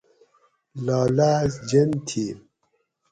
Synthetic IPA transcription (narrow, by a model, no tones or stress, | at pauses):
laːlazd͡ʒent̪ʰi